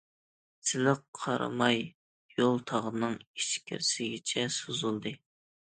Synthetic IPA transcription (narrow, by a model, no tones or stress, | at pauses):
sɪlɪqʰːɑɾʔɨ̰mɑj | jolˠt̪ʰɑʁənɨŋiʃkʲʰɪ̰ɾsɪɡʲɪt͡ʃʰɛsozulˠd̪ɨ